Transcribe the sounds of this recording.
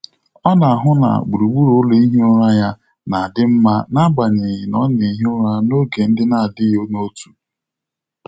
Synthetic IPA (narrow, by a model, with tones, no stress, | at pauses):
ɔ˦na˨a˨ɦʊ˦na̰˨ɡ͡bu˨ɾu˨ɡ͡bu˦ɾo˦lo˦i˦ɦi˦ʊ˦ɾa˦ja˦ | na˨a˨dɪ˦m̩˦ma˦na˦ɡ͡ba˨ɲe˨jɪ˨nɔ˦ni˨˦ɦʊ˦ɾa˦no˦ɡe˨n̩˦dɪ˦na˨dɪ˦jo˦no˦tu˨